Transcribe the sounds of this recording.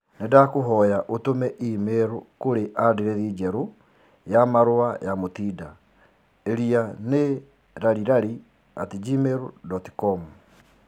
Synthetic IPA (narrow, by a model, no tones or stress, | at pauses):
nedakoɦɔjaʔotomɛʔimeɾokoɾeʔadeɾɛðid͡ʒɛɾo | jamaɾoajamotiːda | eɾiane | ɾaɾiɾaɾi | a̰tid͡ʒimeɾodɔti̥kɔmu